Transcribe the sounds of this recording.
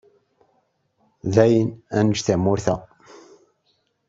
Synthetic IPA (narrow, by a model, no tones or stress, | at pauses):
ðæjənænəʃθæmːʊɾθæ